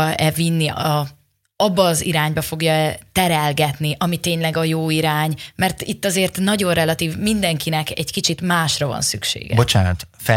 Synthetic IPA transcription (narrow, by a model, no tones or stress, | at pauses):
ɛvinːiɒ | ɒbːɒːziɾaːɲbɒfo̞ɡjɒɛt̪ɛɾɛlɡɛt̪niʔɒmit̪eːɲlɛɡɒjoːiɾaːɲmɛrt̪it̪ːɒzeːrt̪nɒɟo̞nrɛlɒt̪iːvmind̪ɛŋkinɛkɛɟkit͡ʃit̪maːʃrɒvɒ̰nsy̰kʃḛːɡɛb̰ot͡ʃaːnt̪ | fɛ